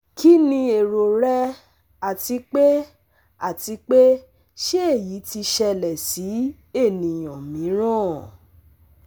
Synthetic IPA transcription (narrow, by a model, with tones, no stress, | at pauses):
kʰi˦nĩ˧e˨ɾo˨ɾɛ˦ | a˨ti˨˧k͡pe˦ | a˦˨ti˨˧˦k͡pe˦ | ʃe˦e˦˨ji˨˦ti˧ʃɛ˧lɛ˨si˨˦ | e˦˨nĩ˨j̃ɔ̃˨mĩ˨˦ɾ̃ã˦˨